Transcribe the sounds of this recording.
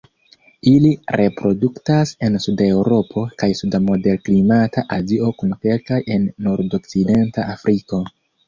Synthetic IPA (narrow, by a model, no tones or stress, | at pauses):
iliɾʔe̞pɾo̞duktase̞nsude̞wɾo̞pʰo̞kajsudamo̞de̞lklimatʰaʔazio̞kunke̞lkaje̞nːoɾdo̞kt͡side̞ntaafɾiko̞